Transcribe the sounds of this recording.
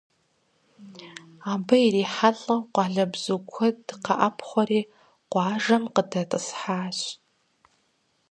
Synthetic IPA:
aːbɐiriːħaɬʼɐqʷɑːɮɐbz̥ukʷʰɔdɨqɐʔɐpʰχʷɔɾiː | qʷɑːʐɐmqədɐtʼɨsħaːɕ

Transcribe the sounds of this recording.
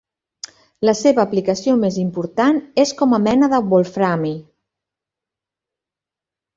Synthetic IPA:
ləseβəːplikəsiomezimpuɾt̪aneskɔməmɛnəðəβulˠfɾami

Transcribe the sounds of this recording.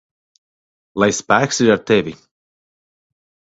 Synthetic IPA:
lˠajspæːksiɾaɾt̪ɛvʲi

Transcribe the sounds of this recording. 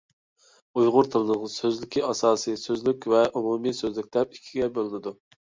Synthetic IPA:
ujʁʊɾt̪ʰɨlnəʁsøzlɪkʲiɑsɑːsɨsøzlykʲvɛʔumumisøzlyk̚ʲd̪ɛp̚ikʲʰːiɡʲɛbølˠɪnɪd̪u

